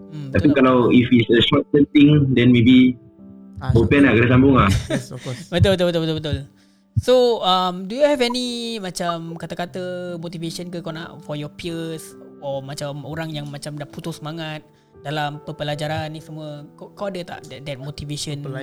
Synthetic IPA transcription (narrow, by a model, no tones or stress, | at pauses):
t̪appikalawifitsəʃɔt̪̚tə̃nt̪ĩŋdɛ̃nmebi | bopɛ̃nakadasambʊŋaɔbət̪ʊlbət̪̬ʊlbət̪ʊlbət̪ulbət̪ʊl | soamdujuhɛvɛnimat͡ʃamkat̪akat̪əmot̪iveʃənkəkawna̰ʔfɔjɔpiəsɔmat͡ʃamoɾaŋjaŋmat͡ʃamdaʔput̪usəmaŋat̪̚ | dalampəpəlad͡ʒaɾanːisəmuəkakawadət̪a̰ʔdɛdɛt̪̚mot̪iveʃən